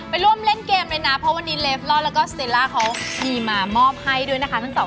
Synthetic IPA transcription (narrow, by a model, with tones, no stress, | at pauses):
pa˧jɾu˥˩əmle˥˩nkeː˧mlɤː˧jna˦˥pʰɾɔ˦˥wa˧nːiː˦˥leː˦˥flɔː˥˩lɛː˦˥wkɔː˥˩st̪eː˧˩laː˥˩kʰa˦˥wdiː˧maː˧mɔː˥˩p̚ha˥˩jdu˥˩əjna˦˥kʰa˦˥t̪ʰa˥˩ŋt̪ɔː˨˩